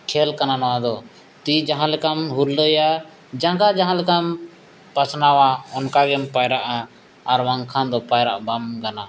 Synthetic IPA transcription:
kʰɛlkananɔwad̪ɔ | t̪id͡ʒaɦãlɛkamɦuɾləja | d͡ʒãɡad͡ʒaɦãlɛkam | pasnawaɔnkaɡɛnpajɾaʔaː | ɾwaŋkʰand̪ɔpajɾa̰ʔbamɡana

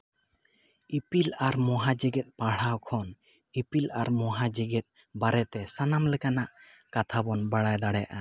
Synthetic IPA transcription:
ipilaɾmɔɦad͡ʒɛɡɛt̪̚paɽ̤awkʰɔn | ipilaɾmɔɦad͡ʒɛɡɛt̪̚ˀ | baɾɛt̪ɛsanamlɛkanaʔ | kat̪ʰabɔnbaɽajd̪aɽɛja̰ʔa

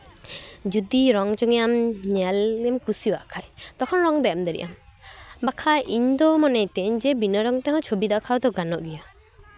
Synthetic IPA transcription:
d͡ʒud̪iɾɔŋd͡ʒɔŋijamɲɛlɛmkusiwa̰ʔkʰajt̪ɔkʰɔnɾɔŋd̪ɛjamd̪eɾḭʔa̰mbakʰaʔiɲd̪ɔmɔnɛt̪ɛɲd͡ʒɛbinɔɾɔŋt̪ɛɦɔ̃t͡ʃʰobid̪akʰawd̪ɔɡanɔʔɡija

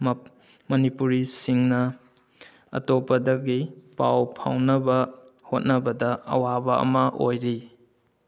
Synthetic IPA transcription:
m | mɐnipuɾisiŋnɐ | ɐ̰topɐdɐɡipawpʰa̰wnɐbɐhot̚nɐbɐdɐɐ̰wabɐɐ̰mɐʔojɾi

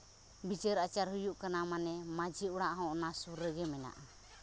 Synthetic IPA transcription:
bit͡ʃəɾat͡ʃaɾɦujuʔkanamanɛmad͡ʒiuɽaʔɦɔ̃nasuɾːɛɡɛmɛna̰ʔa

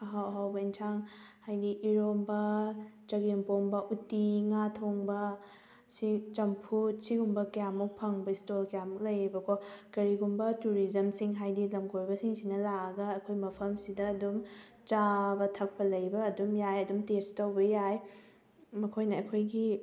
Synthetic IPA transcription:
ɐɦawɦawbɐintʰaŋhajdiʔiɾombɐt͡ʃɐɡeŋpombɐʔutːiŋatʰoŋbɐ | sit͡ʃɐmpʰut̚siɡumbɐkɐjamːuk̚pʰɐŋbɐistolkjamuk̚lɐjɾibɐkɔkɐɾiɡumbɐtuɾizɐmsiŋɦajdilɐmkojbɐsiŋsinɐlaɐɡɐɐkʰojmɐpʰɐmsidɐɐdum | t͡ʃabɐtʰɐk̚pɐlɐjbɐːdumjajɐdumtestɐwbɐjaj | mɐkʰojnɐːkʰojɡi

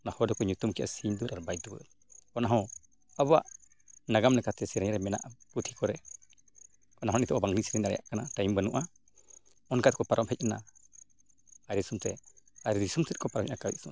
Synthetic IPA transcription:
nahɔdɔkɔɲut̪umkɛʔa̰siɲd̪uɾaɾbajd̪ubə̰ɾ | kɔnaɦɔ̃ | aba̰ʔ | naɡamnɛkat̪ɛsiɾɛɲɾɛmɛna̰ʔput̪ʰi̥kɔɾɛ | kɔnaɦɔ̃nit̪ɔʔɔbaŋlisiɾɛɲaɾɛ̰ja̰ʔkanaʈajmbənuʔa | ɔnkat̪̚kɔpaɾɔmhɛc̚ana̰ | aɾisumt̪ɛ̰aɾiɾisumt̪ʰɛt̪̚kɔpaɾɔmcʔnakawḭsu

